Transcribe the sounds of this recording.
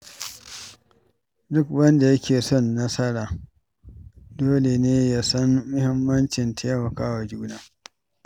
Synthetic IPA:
dʊ˦k̚wɐ˦nda˨jɐ˦kʲeː˨sɔ˦˨nːɐ˦sɐ˦ɽaː˨ | doː˦le˨neː˦ja˦sɐ˦nːʊ˦hɪ˦mːɐ˦nt͡ʃɪ˨ntʰeː˦mɐ˨kaː˦wa˨d͡ʒuː˦naː˦

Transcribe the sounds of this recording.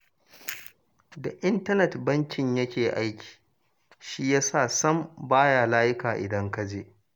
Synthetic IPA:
da˨ʔɪ˦ntɐ˦nɛ˨tbɐ˦nkʲɪ˨ɲjɐ˦kʲeː˨ʔa˦jkʲi̥ː˨ | ʃi˦jaː˦saː˦˨sɐ˦mbaː˦jaː˨laː˦jɪ˦kaː˨ʔɪ̰˨dɐ˦ŋka˦d͡ʒeː˦˨

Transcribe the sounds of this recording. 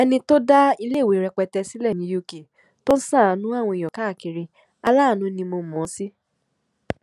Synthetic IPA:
ɛ˧nĩ˧to˦da˦i˧le˦˨we˨˦ɾɛ˧k͡pɛ˧tɛ˧si˦lɛ˦˨ĩ˧˦ju˧ke˨ | to˦n̩˦sã˦˨a˨˦nũ˦a˦˨w̃ɔ̃˧i˨jɔ˨ka˨˦˨ki˧ɾĩ˧ | a˧laː˦˨nũ˧˦nĩ˧mo˧˨mɔ̃˨˦si˦

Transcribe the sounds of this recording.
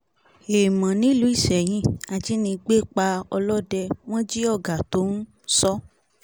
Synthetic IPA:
e˨mã˨nĩ˦˨lu˦i˦˨ʃɛ˨j̃ĩ˦a˧d͡ʒi˦nĩ˧ɡ͡be˦˨k͡pa˧ɔ˧lɔ˦dɛ˧w̃ɔ̃˦d͡ʒi˦ɔ˦˨ɡa˨to˨˦n̩˦ | sɔ˦

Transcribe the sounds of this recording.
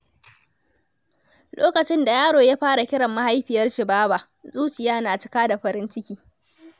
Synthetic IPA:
lʔo̰ː˦kɐ˨t͡ʃɪ˦nda˨jaː˦ɽoː˨jaː˦ɸaː˦ɽa˨kʲɪ˦ɽɐ˨mːa˦ha˦jɸɪ˨jɐ˦rʃɪ˨baː˦ba˨ʔ | zʼuː˦t͡ʃɪ˨jaː˦naː˨t͡ʃɪ˨kaː˦da˨ɸɐ˨ɾɪ˦nt͡ʃɪ˦kʲiː˨

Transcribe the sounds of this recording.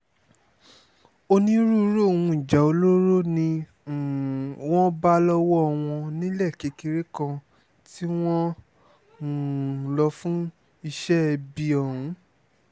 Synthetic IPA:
o˧nĩ˦ɾu˦ɾo˦˨wũ˧˨i˨d͡ʒa˨o˧lo˦ɾo˦nĩ˧˨ | wɔ̃˦ba˦lɔ˦wɔ˦ɔ˧w̃ɔ̃˧nĩ˦lɛ˦˨ke˨˦ki˧ɾe˦kã˧ | ti˦w̃ɔ̃˦˨ | lɔ˧fũ˦ | i˧ʃɛ˦ɛ˧bi˧ɔ˨ɾũ˨˦

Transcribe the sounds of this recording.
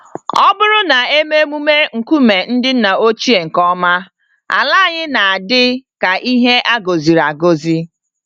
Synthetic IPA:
ɔ˦bʊ˦ɾʊ˦na˨e˦me˦mu˦me˦ŋ̩˨ku˦me˨n̩˦dɪ˦n̩˦na˨o˦t͡ʃi˦e˨ŋ̩˨kɔ˦ma˦ | a̰˨la˦˨ɲɪ˦na˨a˨dɪ˦ka˨ʔi˦ɦe˦ʔa˦ɡo˨zi˨ɾa˨ɡo˦zi˦

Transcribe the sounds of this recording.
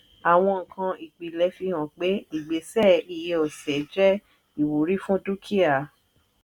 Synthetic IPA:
a˨w̃ɔ̃˧ŋ̩˨kʰã˧i˨k͡pi˨lɛ˨˦fi˧hã˨k͡pe˨˦i˨ɡ͡be˨˦sɛ˦˨i˨je˧ɔ˨sɛ˨d͡ʒɛ˦ | i˨wu˨ɾi˦fũ˦tu˦kʰi˦a˨

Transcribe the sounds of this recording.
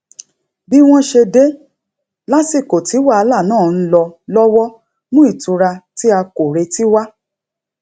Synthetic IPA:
bi˦w̃ɔ̃˦ʃe˧de˦ | la˦si˦˨ko˨ti˨˦wa˦˨˧la˦˨nãː˦˨n̩˦lɔ˧lɔ˦wɔ˦ | mũ˦i˦˨tũ˨˧ɾa˧ti˦a˧ko˨ɾe˧ti˦wa˦

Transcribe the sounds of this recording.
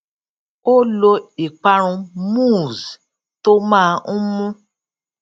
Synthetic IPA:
o˦lo˧i˨k͡pa˧ɾ̃ũ˧mũ˦˨z | to˦mãː˦˧˦mũ˦

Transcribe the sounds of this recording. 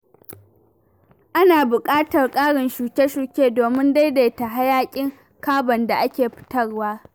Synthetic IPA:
ʔa˦naː˨bʊ˨kʼaː˦tɐ˨rkʼaː˦ɽɪ˨nʃuː˨kʲe˦ʃuː˨kʲeː˦doː˨mɪ˦nda˦jda˨jta˨ɦa˦jaː˦kʲʼɪ˦ŋ | kaː˦bɐ˨nda˨ʔa˦kʲeː˨ɸɪ̥˦tɐ˦rwaː˦

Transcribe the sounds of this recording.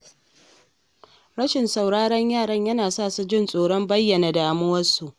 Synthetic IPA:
ɽɐ˦ʃɪ˨nsa˨wɽaː˦ɽɐ˦ɲjaː˦˨ɽɐ˦ɲjɐ˦naː˨saː˦˨su˨d͡ʒɪ˦˨nsʼoː˨ɽɔ˦mbɐ˦jːɐ˨na˨daː˨mʊ˦wɐ˦su˨ʔ

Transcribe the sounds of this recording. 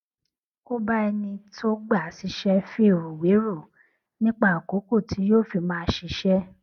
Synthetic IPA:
ko˦ba˦ɛ˧nĩ˧to˦ɡ͡ba˦˨si˨˧˦ʃɛ˦fi˦˨ɾu˨we˨˦ɾu˦˨ | nĩ˦k͡pa˦˨ko˨˦ko˦˨ti˨˦joː˦˨fi˧˨mãː˦ʃi˧ʃɛ˦

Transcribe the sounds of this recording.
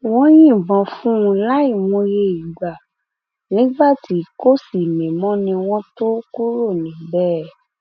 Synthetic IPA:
w̃ɔ̃˦j̃ĩ˦˨bɔ̃˨fũ˦ũ˧la˦i˦˨mõ˧je˧i˨ɡ͡ba˨ | nĩ˨˦ɡ͡ba˦˨ti˨˦ko˦˨si˨mĩ˨mɔ̃˦nĩ˧w̃ɔ̃˦to˦ku˦ɾo˦˨nĩ˨˦bɛ˦

